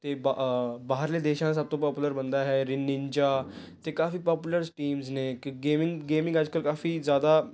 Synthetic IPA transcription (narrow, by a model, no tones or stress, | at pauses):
t̪ebabaɦəɾled̪eɕãs̬ab̚t̪opɔpuləɾbənd̪aɦɛɾinːint͡ɕa | t̪ekafiːpɔpjuləɾʈiːmznekɡemiŋɡemĩŋɡad͡zkəlkafiːd͡zjad̪a